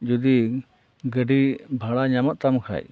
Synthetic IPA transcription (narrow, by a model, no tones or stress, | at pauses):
d͡ʒud̪i | ɡəɖibʱaɽaɲamɔʔ̪̚t̪amkʰa̰j